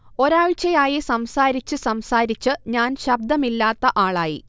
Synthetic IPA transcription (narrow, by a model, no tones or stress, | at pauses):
o̞ɾaːɻt͡ɕːɐjaːjisɐmsaːɾit͡ɕːɨsɐmsaːɾit͡ɕːɨɲaːnɕɐb̚d̪ɐmilːaːt̪ːɐʔaːɭaːjḭ